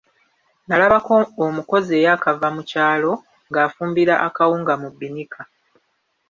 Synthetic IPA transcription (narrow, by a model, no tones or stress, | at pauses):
nalaβakoomuko̞zie̞ːjaːkavamucaːlo̞ | ŋɡaːfuːmbiɾaʔakawuːŋɡamubːinikʰa